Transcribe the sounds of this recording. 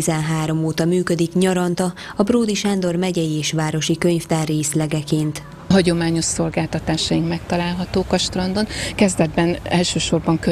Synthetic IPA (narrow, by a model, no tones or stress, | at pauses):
izɛnɦaːɾo̞moːt̪ɒmyːkød̪ikɲɒɾɒnt̪ɒɒbroːd̪iʃand̪o̞rmɛɟɛjieːʃʋaːɾo̞ʃikøɲft̪aːrːeːslɛɡɛkeːnt̪ | ɦɒɟo̞maːɲo̞ʃso̞lɡaːlt̪ɒt̪aːʃɒjiŋkmɛk̚t̪ɒlaːlɦɒt̪oːkɒʃt̪rɒnd̪o̞nkɛzd̪ɛd̪̚bɛnɛlʃøːʃo̞rbɒŋkø